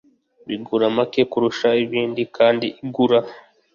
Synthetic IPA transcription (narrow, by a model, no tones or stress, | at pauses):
βiɡuɾamake̞kuɾuʃaiβiːndikʰaːndiʔiɡuɾa